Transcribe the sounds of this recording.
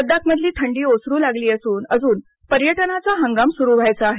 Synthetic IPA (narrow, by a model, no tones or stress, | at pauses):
əd̪ːakməd̪ʱliːt̪ʰəɳɖiːosɾuːlaɡliːəsuːnəd͡zuːn | pəɾjəʈənat͡saɦəŋɡamsuɾuːʋʱajt͡saːɦe